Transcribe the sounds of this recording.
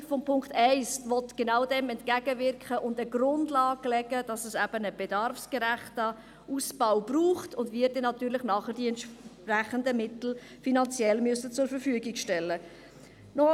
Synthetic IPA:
fɔmpʰʊŋktɛɪsʋɔtɡ̥enɑʊdɛmɛntkæɡ̥əvɪɾrkχəʔʊndəɡrʊndlɑːɡ̥lɛɡ̥əd̥ɑsɛsæb̥ənəb̥edɑrfsɡ̥əɾæχtə | usb̥aʊb̥ruːχtʰʊndviːɾdɛnɑt̪yːɾlɪχnɑːχəɾd̥iɛntʃpræχəndəmɪtl̩ | finɑnt͡sjɛlmyəsət͡sʊɾfəɾfyəɡɪɡʃtɛlːə | nɔ

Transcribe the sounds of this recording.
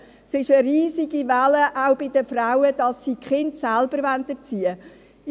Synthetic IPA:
sɪʃəɾiːziɡ̥ivæləʔaʊbɪd̥əfrawəd̥ɑsːiːkχɪntsælb̥əɾʋæntət͡siə

